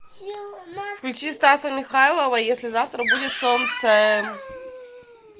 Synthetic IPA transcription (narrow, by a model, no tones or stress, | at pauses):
fklʲʉt͡ɕist̪asəmʲɪxajlˠəvəjesʲlʲɪzaft̪ɾəbudʲɪt̪somt̪sɛ